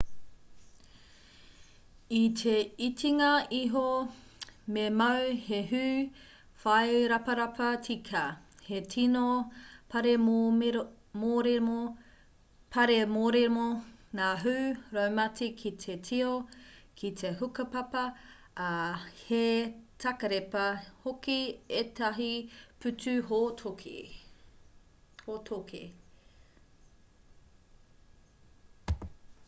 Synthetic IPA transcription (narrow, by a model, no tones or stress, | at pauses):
itʰeitʰiŋɐiɦo | memɐwheɦʉː | fɐjɾɐpɐɾɐpʰɐtʰikʰɐ | hetʰinopɐɾemo | moɾe | pʰɐɾemoːɾeɾmonaːɦuːɾɐwmɐtikʰitʰetʰiokʰitʰeɦukɐpɐpɐ | ɐhetʰɐkɐɾepɐhokietɐɦipʰʉtʉɦotʰokḛ | hotʰokʰḛ